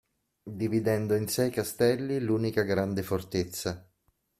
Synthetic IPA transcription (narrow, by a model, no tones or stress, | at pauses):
d̪ivid̪ɛnd̪oinsɛjkast̪ɛlːiluːnikaɡɾand̪efort̪et̪sːa